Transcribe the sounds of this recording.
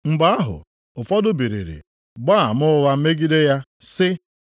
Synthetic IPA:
ŋ͡m̩˨ɡ͡ba˦a˦ɦʊ̰˨ | ʊ˨fɔ˦dʊ˦bi˨ɾḭ˨ɾḭ˨ | ɡ͡ba˦˨mʊ˦ʊ˦ɣa˦m̩˦me˦ɡi˦de˦ja˦sɪ˦

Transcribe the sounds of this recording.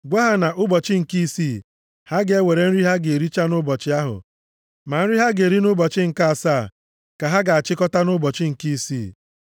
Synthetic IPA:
ɡʷa˦ɦa˦na˨ʔʊ˦bɔ˨t͡ʃɪ˦ŋ̩˨ki˦siː˦˨ | ha˦ɡe˦we˨ɾe˨n̩˦ɾi˦ɦa˦ɡe˨ɾi˦t͡ʃa˦nʊ˦bɔ˨t͡ʃɪ˦a˦ɦʊ̰˨ | ma˨n̩˦ɾi˦ɦa˦ɡe˨ɾi˦nʊ˦bɔ˨t͡ʃɪ˦ŋ̩˨ka˦a˨saː˦˨ | ka˨ɦa˦ɡa˨a˨t͡ʃɪ˦kɔ˦ta˦nʊ˦bɔ˨t͡ʃɪ˦ŋ̩˨ki˦siː˦˨

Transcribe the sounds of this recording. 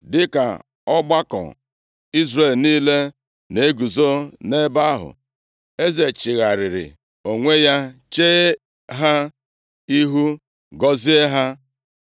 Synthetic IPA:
dɪ˦ka̰˨ | ɔ˦ɡ͡ba˦kɔ̰˨ | i˦zre˨lniː˦le˦ | ne˨˦ɡu˨zo˦ne˦ba˦ɦʊ̰˨ | e˦ze˨t͡ʃɪ˨ɣa˨ɾɪ˨ɾɪ̰˨ | o˨ŋʷe˦ja˦t͡ʃe˦ | ɦa˦ | i˦ɦu˦ | ɡɔ˦zi˦e˦ɦa˦

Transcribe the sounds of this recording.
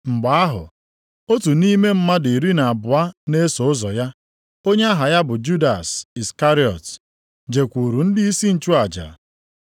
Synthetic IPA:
ŋ͡m̩˨ɡ͡ba˨a˦ɦʊ̰˨ | o˦tu˨ni˦me˦m̩˦ma˦di˨ɾi˦na˨a˨bʊ˨a˦ne˦so˨ʊ˦zɔ˨ja˦ | o˦ɲe˦a˦ɦa˨ja˦bʊ˨d͡ʒu˦da˨si˨ska˦ɾi˦ɔ̰˨t | d͡ʒe˨kʷu˨ɾu˨n̩˦dɪ˦i˦si˦n̩˨t͡ʃu˦a˨d͡ʒa̰˨

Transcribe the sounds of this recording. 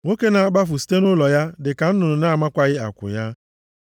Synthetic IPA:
ŋo˦ke˦na˨a˨ɡ͡ba˦fʊ˨si̥˦te˦nʊ˦lɔ˨ja˦dɪ˨ka˨n̩˦nʊ˨nʊ˨na˦˨ma˦kʷa˦ɣɪ˦a̰˨kʷʊ̰˨ja˦

